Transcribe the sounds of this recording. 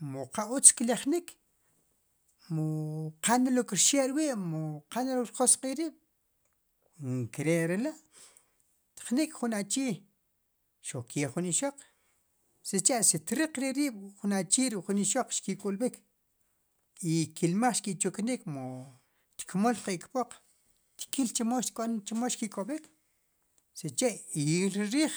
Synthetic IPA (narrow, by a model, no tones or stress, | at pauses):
moqaut͡skilaχnik | moqanalokɾʃeʔɾwiːʔmoqanalokɾχosqʼiɾiːɓ̥ | ŋkiɾeʔɾelaʔ | t̪χnikχunat͡ʃiː | ʃoχkeχuniʃoq͡χ | set͡ʃeʔsit̪ɾiq͡χɾiɾiːɓ̥χunat͡ʃiːɾiʔχuniʃoq͡χʃkikʼulɓikʰ | ikilmaχʃkiʔt͡ʃuknikmo | t̪kmolqiʔkpoq͡χ | t̪kilt͡ʃimoʃkʼont͡ʃimoʃkikʼoɓik | set͡ʃeʔilɾiɾiːχ